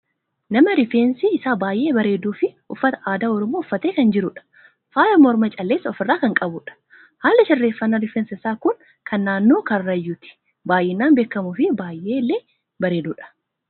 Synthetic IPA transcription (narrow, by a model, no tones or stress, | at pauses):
nɐmɐɾɪfeːnsiɪsaːbaːjʔe̞ːbɐɾe̞ːd̪uːfɪ | ʊfːɐt̪ɐ̥ʔaːd̪aːɔɾɔmoːʊfːɐt̪eːkɐnd͡ʒɪɾʊᶑɐ̥ | faːlɐmɔɾmɐt͡ʃʼɐlːeːsːɐɔfɪrːaːkɐŋkʼɐbʊᶑɐ̥ | haːlːɪʃɪrːeːfːɐnːɐɾɪfɛnsɐɪsaːkʊŋ | kʰɐnːaːnːo̞ːkɐrːɐjːuːt̪ɪ̥ | baːjʔeːnːaːnbeːkːɐmuːfɪbaːjʔːeːlːeː | bɐɾe̞ːd̪uːᶑɐ̥